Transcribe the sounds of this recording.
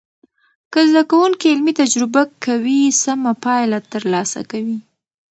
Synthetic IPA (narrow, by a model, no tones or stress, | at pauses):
kəzd̪akawuŋkiɪlmit̪ad͡ʒɾɪbakʰawisamapɑjlat̪əɾlɑsa̰kawi